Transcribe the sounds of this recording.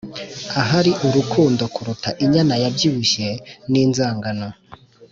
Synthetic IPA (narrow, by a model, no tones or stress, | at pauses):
aɦaɾiʔuɾukʰuːndo̞kuɾutaʔiɲanajabjiβuʃeniːnzaːŋɡano